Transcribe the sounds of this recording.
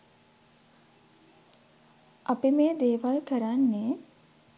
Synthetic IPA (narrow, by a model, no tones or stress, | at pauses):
ʔapimeːd̪eːʋalkəɾanːeː